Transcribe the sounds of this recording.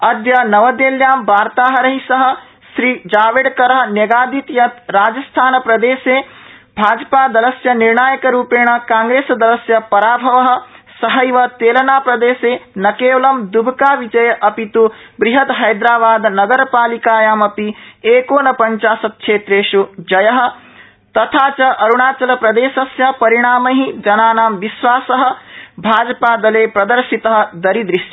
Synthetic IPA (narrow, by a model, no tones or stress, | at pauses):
ɐd̪jɐnɐʋɐd̪eːljaːmbʱaːɾt̪aːɦɐɾɐɦisɐɦɐ̆ | ʃɾiːd͡ʒaːʋeːɽkɐɾɐɦɐnjeɡaːd̪it̪jɐt̪ɾaːd͡ʒɐst̪ʰaːnɐpɾɐd̪eːseː | bʱaːd͡ʒpaːd̪ɐlɐsjɐniɾɳaːjɐkɐɾuːpeːɳ̃ɐkaːŋɡɾeːsd̪ɐlɐsjɐpɐɾaːbʱɐʋɐɦɐ̆sɐɦɐjʋɐt̪eːlɐnaːpɾɐd̪eːseːnɐkeːʋɐlɐmd̪ubʱkaːʋid͡ʒɐjɐʔɐpit̪ubɾiɦɐt̪ɦɐjd̪ɾaːbaːd̪nɐɡɐɾɐpaːlikaːjaːmɐpieːkoːnɐpɐɲt͡ʃaːsɐt̪̚ʃeːt̪ɾeːʃud͡ʒɐjɐɦɐ̆ | t̪ɐt̪ʰaːt͡ʃɐʔɐɾuɳaːt͡ʃɐlɐpɾɐd̪eːsɐsjɐpɐɾiɽ̃aːmɐɦid͡ʒɐnaːnaːmʋiʃʋaːsɐɦɐ̆bʱaːd͡ʒɐpaːd̪ɐleːpɾɐd̪ɐɾʃit̪ɐɦɐ̆d̪ɐɾid̪ɾiʃjɐ